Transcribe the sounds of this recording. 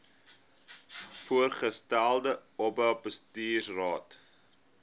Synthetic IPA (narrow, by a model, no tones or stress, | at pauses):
fuərχəstælˠdəɔbœlˠpəstiːsrɑːt